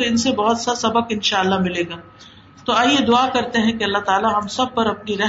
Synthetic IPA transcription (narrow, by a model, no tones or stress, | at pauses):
oɪnsebɔɦɔt̪sasɐbəkɪnʃaːɐlːamɪleːɡaː | t̪oaːjed̪ʊaːkɐɾt̪eɦɛ̃keɐlːaɦt̪aːlaɦɐmsɐb̚pɐɾɐpniɾɛɦ